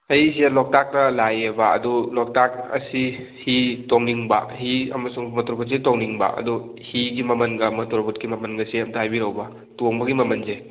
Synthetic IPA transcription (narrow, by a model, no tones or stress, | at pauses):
ɐjselɔk̚tak̚ɾɐlajebaɐ̰dɔlɔk̚takɐ̰si | hitoŋniŋba̰hiɐmɐsuŋmɐtɔɾbʰɔtsetɔŋniŋba̰ɐ̰dɔ | hiɡimɐmɐnɡamɐtɔɾbut̚kimɐmɐnɡɐseɐmtaajbiɾawbɐ | toŋbɐɡimɐmɐnze